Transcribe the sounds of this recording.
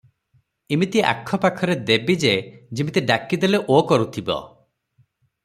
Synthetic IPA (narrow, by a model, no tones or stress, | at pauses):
imit̪iʔa̰kʰːɔpakʰɔɾed̪ebid͡ʒed͡ʒimit̪iɖakid̪eleʔokɔɾut̪ʰibɔ̰